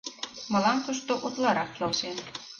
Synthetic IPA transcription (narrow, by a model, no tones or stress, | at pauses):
mɑ̆lɑnt̪uʃt̪oʔut̪lɑɾɑkjolsen